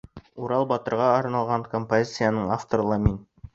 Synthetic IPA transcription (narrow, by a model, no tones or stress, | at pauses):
uɾɑlˠbɒt̪ɤ̆ɾʁɑɑɾnɑlˠʁɑɴkompozʲit̪sɨjanɤɴaft̪oɾlˠɑmin